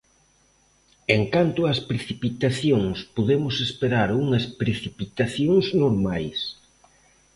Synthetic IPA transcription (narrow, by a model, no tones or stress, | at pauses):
eŋkant̪ʊɐspɾeθipit̪aθjoŋspoðemʊsespeɾaɾuŋɐspɾeθipit̪aθjoŋsnoɾmajs